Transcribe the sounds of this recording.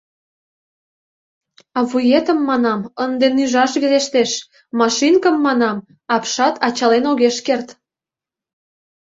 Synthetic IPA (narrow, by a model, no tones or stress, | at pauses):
ɑβujet̪əmːɑnɑmənd̪enyʒɑʃβeleʃt̪eʃ | mɑʃinkəmːɑnɑm | ɑpʃɑt̪ɑt͡ɕɑlenoɣeʃkert̪